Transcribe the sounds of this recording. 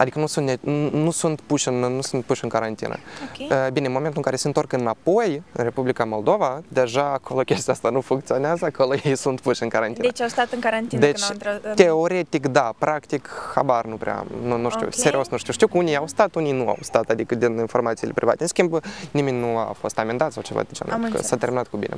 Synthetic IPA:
ɐdʲikənusunnʲnusunt̪puʃɪnnusunt̪̚puʂʲɪnkəɾɐnʲt̪ʲḭnə̰bʲinʲemomʲent̪ʊmkaɾʲɪsʲənt̪orkənapojɾʲepublʲɪkəmolˠd̪ovəd̪ʲeʐaːkʰolˠokʲesʲt̪ʲast̪anufunk̚t̪sɨonʲasakʰolˠojejsunt̪puʃɪnkəɾɐnʲt̪ʲind̪t͡ʃast̪at̪ɨnkɐɾɐnʲt̪ʲd̪ət͡ʃ̪tʲeoɾʲet̪ʲikd̪apɾakt̪ikxa̰barnupɾʲea̰nunuʃt̪ʲṵseɾiosnuʃt̪uʃt̪ʲiwkunʲijawst̪at̪unijnua̰wst̪at̪ad̪ikəd̪ininfo̞rmat̪silepɾʲiva̰t̪eɨnskʲimbnimʲenʲnua̰fo̞st̪amʲend̪at̪sawt͡ʃeva̰d̪et͡ʃa̰nkə̰sat̪ʲermʲinat̪kubʲḭnḛ

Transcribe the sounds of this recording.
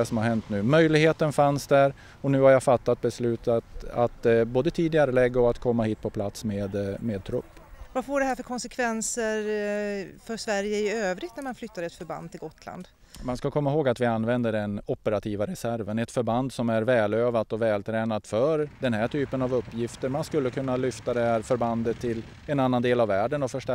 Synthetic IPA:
sɔmhaɾɦɛnt̪nʉ̟ːmœjlɪɡheːt̪ənfansd̪æɾ | ɔnʉ̟ːhaɾjafat̪ːat̪̚bɛslʉ̟ːt̪at̪at̪boːd̪ət̪ʰiːd̪ɪɡaɾəlɛɡːaɔat̪kʰɔmːahiːt̪̚pʰɔpʰlat̪smeːd̪meːd̪̚t̪ʰɾɵpːvafoːɖɛhæɾfœɾkʰɔnsɛkʰvɛnsəɾ | fœʂvæɾjəɪøːvɾɪt̪næɾmanflʏt̪ːad̪əɛt̪fœɾba̰nd̪t̪ʰːɪlɡɔt̪ʰːla̰nd̪ | manskakʰɔmːaɦoːɡat̪vɪanːvɛnd̪əɾɛnɔpːəɾat̪ʰiːvaɾɛsæɾvənɛt̪fœɾband̪sɔmæɾvɛːløːvat̪ɔvɛːlt̪ʰɾɛːnat̪fœɾd̪ɛnhæʈʰyːpənavɵpːjɪft̪əɾmanskɵlːəkʰɵnːalʏft̪ad̪ɛhæɾfœɾband̪ət̪ʰːɪl | ɛnanːand̪eːlavːæːɖənɔfœʂʈæ

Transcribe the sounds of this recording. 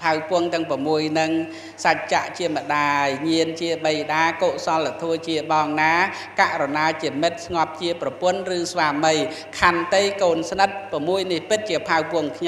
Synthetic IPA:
pʰawpʊ̆əŋt̪ɨ̆əŋpɔmuəjnɨŋ | sac̚t͡ɕaʔt͡ɕiəmə̆ɗaːjɲiənt͡ɕiəɓəjɗaːkoːʔsɑlːat̪ʰuət͡ɕiəɓɑːŋnaː | kaʔrɔnaːt͡ɕiəmɨt̪̚sŋɑp̚t͡ɕiəprɑpʊ̆ənrɨːsʋaːmɨj | kʰant̪ɨjkoːnsnɨt̪̚pɔ̆muəjnihpɨt̪̚t͡ɕiəpʰawpʊ̆əŋkʰɲ

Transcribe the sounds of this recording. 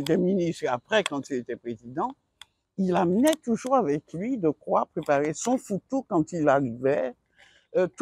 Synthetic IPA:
et̪̬ɛminist̪apχɛkɑ̃t̪ilet̪ɛpχezid̪ɑ̃ | ilamnɛt̪uʒuʁavɛklɥid̪əkʁwapχepaʁesɔ̃fut̪okɑ̃t̪ilaʁivɛ | t̪

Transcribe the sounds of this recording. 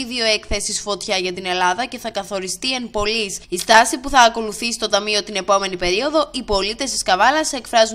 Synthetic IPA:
iðio̞e̞kθe̞sisfo̞t̪çɐʝɐt̪ine̞lɐðɐce̞θɐkɐθo̞ɾist̪ie̞mpo̞lisist̪ɐsipuθɐːko̞luθisist̪ot̪ɐmio̞t̪ine̞po̞me̞nipe̞ɾio̞ðo̞ʔipo̞lit̪e̞st̪i̥skɐvɐlɐse̞kfɾɐzu

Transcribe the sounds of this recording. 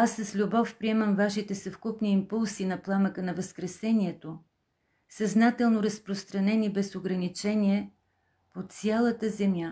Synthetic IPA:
asːəslʲubɔfpɾiɛməmvaʃit̪ɛsɐfkupniːmpulˠsinɐplˠaməkənɐvəskɾɛsɛniɛt̪o | sɐznat̪ɛlˠnoɾəspɾost̪ɾɐnɛnibɛsoɡɾɐnit͡ʃɛniɛ | pot̪sʲjalˠət̪əzɛmʲja

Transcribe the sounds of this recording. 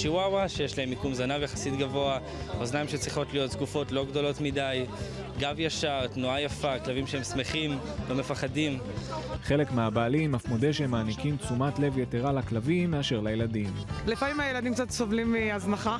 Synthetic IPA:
ʃiwawaʃejeʃlahemikumzanavejaχḁsit̪ɡavo̞a | oznaimʃet͡sʁiχo̞tlijo̞t̚t̪ɡufo̞tlo̞ɡdo̞lo̞tmidaj | ɡavjaʃaʁtnuajafaklavimʃeemsme̞χim | lo̞me̞faχadim | χe̞le̞kmeabaːlimafmodeʃemaːnikimt͡sumatle̞vjeteʁalaklavimːeaʃe̞ʁlajeladimlefamimajelad̪imkt͡sat̪sovlimiaznaχa

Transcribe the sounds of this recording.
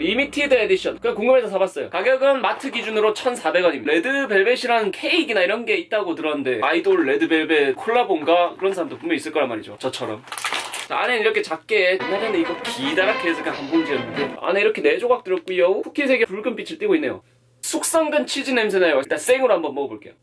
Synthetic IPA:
ɾimitʰidediɕʰʌnkɯakuŋɡɯmesʰʌsʰabas͈ʌjo̰kaɡjʌɡɯnmatʰɯɡid͡ʑunɯɾot͡ɕʰʌnsʰabe̞ɡwʌɲime̞dɯbe̞ɭbe̞ɕʰiɾanɯnkʰe̞iɡinaiɾʌnɡe̞it̚t͈aɡotɯɾʌnɯnde̞aidoɭːe̞dɯbe̞be̞kʰoɭːabonɡakɯɾʌnsʰaɾamdopomjʌɲis͈ɯɭk͈ʌɾanmaɾid͡ʑo̰t͡ɕʌt͡ɕʰʌɾʌmt͡ɕaa̰nenniɾʌkʰe̞t͡ɕak̚k͈e̞ɯnaɡanɯiɡʌkidaɾakʰeːs̬ʰʌɭk͈ʰakamboŋd͡ʑiʌnɯdoa̰ne̞iɾʌkʰe̞ne̞d͡ʑoɡak̚t͈ɯɾjʌk͈oiʌukʰukʰinsʰe̞ɡjepuɭɡɯmp͈it͡ɕʰiɭt͈iɡoinːe̞jo̰ | sʰok̚s͈ʌŋɡɯnt͡ɕʰid͡ʑinems̬ʰenajowat͈as͈eŋɯɾoɦambʌnmʌɡpoɭk͈e̞jo

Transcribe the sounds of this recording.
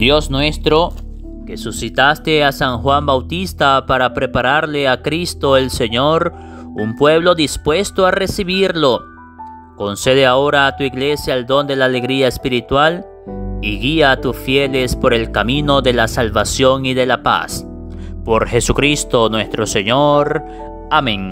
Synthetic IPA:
d̪̥jo̞snwe̞st̪ɾo̞ | ke̞susit̪ast̪e̞asaŋxwambawt̪ist̪apaɾapɾe̞paɾaɾle̞akɾist̪o̞e̞lse̞ɲo̞ɾ | umpwe̞β̞lo̞ðispwe̞st̪oare̞siβiɾlo̞ | ko̞nse̞ðeao̞ɾaːt̪uiɣle̞sjaːld̪o̞nd̪e̞laːle̞ɣɾiaespiɾit̪wal | iɣiaːt̪usfje̞le̞spo̞ɾe̞lkamĩno̞ðe̞lasalβasjo̞ŋiðe̞lapa̰s | po̞ɾxe̞sukɾist̪o̞nwe̞st̪ɾo̞se̞ɲoɾ | amẽŋ

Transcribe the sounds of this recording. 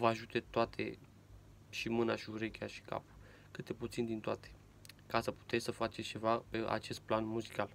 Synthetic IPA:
vəaʒut̪e̞t̪oat̪ʰe̞̰ | ʃimɨnaʃiuɾe̞kʲeaʃi̥ka̰p | kɨt̪̚d̪e̞put̪sind̪int̪oat̪ʰe̥ | kasəpu̥t̪et̪ʲsəfat͡ʃet͡ʃe̞vape̞ʔa̰t͡ʃe̞st̪̚planmuzikal

